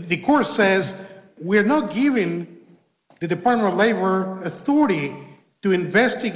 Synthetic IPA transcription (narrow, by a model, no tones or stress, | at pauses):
ðɨkʰɔɹsɛz | wiɹnət̚ɡ̥ɪvɪ̃ŋ | ðɨdɨpʰɑɹt̚mə̃leɪbə˞ɨθɔɹɨɾi | ɾɨɨ̃ɱvɛstɨɡ